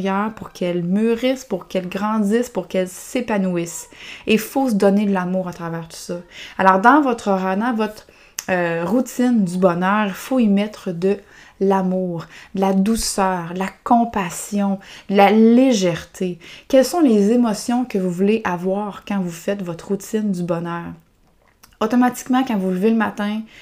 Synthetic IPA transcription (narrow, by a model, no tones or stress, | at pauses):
jœːʁpʊʁkʰɛlmyʁɪspʊʁkɛlɡʁɑ̃dd͡z̪ɪspʊʁkɛlsepanuisefosəd̪ɔned̪əlamuːʁat̪ʁavɛːʁt̪u̥sɔalɔʁd̪ɑ̃vɔt̪χəʁad̪ɑ̃vɔt̪χ | øʁut̪ɪnd̪ybɔnœːʁifoimɛt̪χəd̪ə | lamuːʁd̪əlad̪usœːʁəlakɔ̃pasjɔ̃d̪əlaleʒɛʁt̪ʰekʲɛlsɔ̃lezemɔsjɔ̃kəvuvuleʔavwaːʁkɑ̃vufɛt̪vɔt̪χʁut̪ɪnd̪ybɔnœːʁ | ot̪ɔmat̪i̥kmɑ̃kɑ̃vulveləmat̪ɛ̃